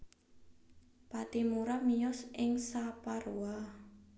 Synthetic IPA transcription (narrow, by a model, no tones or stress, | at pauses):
pat̪imuɾamijɔsʔɪŋsapaɾua